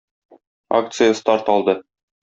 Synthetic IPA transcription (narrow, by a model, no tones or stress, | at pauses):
a̰kt̪sɨjəst̪ɑɾt̪ɒlˠd̪ɤ